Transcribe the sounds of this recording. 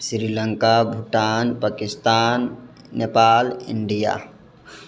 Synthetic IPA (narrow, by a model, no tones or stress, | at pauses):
sɾiːləŋkabʱuʈaːnpaːkɪst̪aːnː | epaːlɪ̰ɳɖija̰